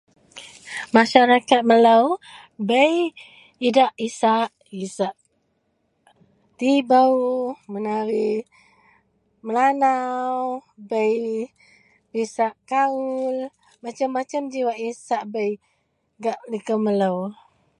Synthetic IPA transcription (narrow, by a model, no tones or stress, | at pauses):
maʃaɾakat̪̚məlaw | bəj | idaʔisaʔ | isaʔ | t̪ibəwmənaɾi | məlanawbəj | pisaʔkaul | mat͡ʃamːat͡ʃamd͡ʒiwaʔisaʔbəj | ɡaʔlikəməlaw